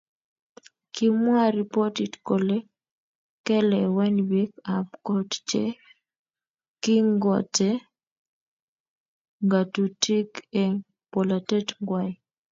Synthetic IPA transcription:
ki˦mwa˦ɾi˨pɔti˨tkole˦ | kɛ˦lɛwɛ˦nwi˦kapkɔ˦tt͡ʃḛ˦ | ki˦ŋɡɔ˨tɛ | ŋɡa˨tu˨tʰi˦ke | pɔ˨late˦tŋɡwaj

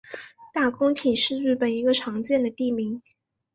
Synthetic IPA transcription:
t̪a˥˩kʊ˥ŋt̪ʰi˨˩ʂɻ̩˥˧ɻy˥˩pə˨˩ni˧˥ɡə˧ʈ͡ʂʰɑ˧˥ŋt͡ɕjɛ˥˩nd̪ə˩t̪i˥˩mi˧˥ŋ

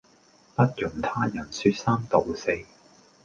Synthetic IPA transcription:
pɐ˥t̚jʊ˨˩ŋt̪ʰaː˥jɐ˨˩nsyː˧t̚saː˥mt̪o˨˩wse˥j

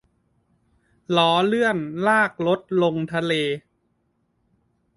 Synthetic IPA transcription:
lɔː˩˦lɯ˥˩ənlaː˥˩k̚lo˦˥t̪̚lo˧ŋt̪ʰa˧leː˧

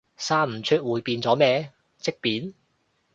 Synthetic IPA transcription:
saː˥m̩˨˩t͡ʃʰɵ˥t̚wuː˨˩jpiː˧nt͡sɔː˨˥mɛː˧˥ | t͡sɪ˥k̚piː˨˥n

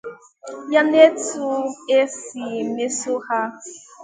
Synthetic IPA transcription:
ja˦ne˦tu˦e˦si˨me˦so˦ha˦

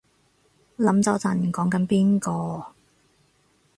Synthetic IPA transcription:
lɐ˨˥mt͡sɐ˨˧wt͡sɐ˨˩nkɔː˨˥ŋkɐ˨˥npiː˥nkɔː˧

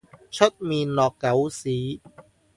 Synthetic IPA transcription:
t͡ɕʰo˦˥t̪̚miː˧nlɔː˨˩kːa˨˩˦wsiː˩˦

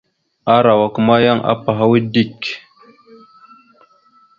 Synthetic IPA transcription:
a˦ɾa˨wa˨ku˦ma˦ja˦ŋʔa̰˦pa˨ɦa˦wi˦di˦˨k

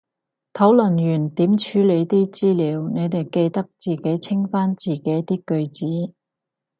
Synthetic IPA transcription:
t̪ʰɐ˨˥wlɵ˨˩nɥyː˨˩nt̪iː˨˥mt͡ʃʰyː˨˥le˨˧jt̪iː˥t͡siː˥liː˨˧˥wne˨˧jt̪e˨˩jke˧jt̪ɐ˥k̚t͡siː˨ke˨˥jt͡sʰɪ˥ŋfaː˥nt͡siː˨˩ke˨˥jt̪iː˥kɵ˧ɥt͡siː˨˥

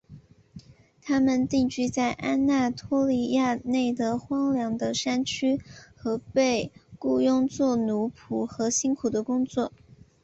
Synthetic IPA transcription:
t̪ʰa˥mə˨nt̪i˥˧ŋt͡ɕy˥t͡sa˥˩ɪʔa˥na˥˩t̪ʰɔ˥li˧˥ja˥˧ne˥˩ɪd̪ə˩xwɑ˥ŋljɑ˧˥ŋd̪ə˧ʂa˥nt͡ɕʰy˥xɤ˧˥pe˥˧ɪku˥˧jʊ˥˧ŋt͡swɔ˥˩nu˧˥pʰu˨˩xɤ˧˥ɕi˥nkʰu˨˩d̪ə˦kʊ˥ŋt͡swɔ˥˩

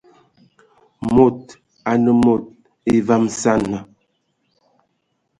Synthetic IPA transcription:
mo˨t̚ | a˨nə˨mo˨t̚ | e˦va˦msa˦˨nːa˨

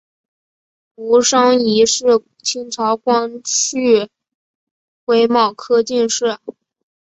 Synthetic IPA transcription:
u˧˥ʂɑ˥ŋi˧˥ʂɻ̩˥˩ | t͡ɕʰi˥ŋʈ͡ʂʰɑ˧˥ʊkwɑ˥ŋʰy˥˩ | kwe˥ɪmɑ˥˩ʊkʰɤ˥t͡ɕi˥˧nʂɻ̩˥˩

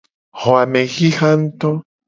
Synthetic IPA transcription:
xo˨a˨me˨ɣi˦xa˦nt̪o˦

